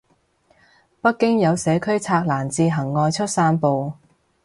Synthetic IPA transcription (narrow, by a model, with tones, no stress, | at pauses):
pɐ˥t̚kːɪ˥ŋjɐ˨˧wsɛː˨˥kʰɵ˥ɥt͡sʰaː˧k̚laː˨˩nt͡siː˧ɦɐ˨˩ŋːɔː˨˧jt͡ʃʰɵ˥t̚saː˥npo˨w